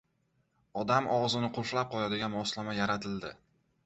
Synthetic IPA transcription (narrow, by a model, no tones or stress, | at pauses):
ɒd̪amʔɒwzɪnɪqʰʊlflap̚qʰɒjad̪ɪɡʲanbɒslamajaɾat̪ʰɪld̪ɪ